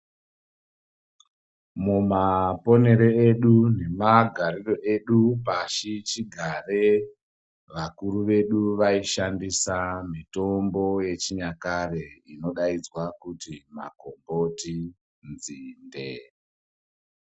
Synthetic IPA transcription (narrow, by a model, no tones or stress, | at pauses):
mumapo̞ne̞ɾeeɗune̞maɡʱaɾiro̞ʔe̞ɗupaʃit͡ʃiɡʱare | ʋakuɾuʋe̞ɗuʋaiʃandisamito̞mbo̞je̞t͡ʃiɲakareino̞ɗaid͡zwakutima̰ko̞mbo̞ti | nd͡zinde̞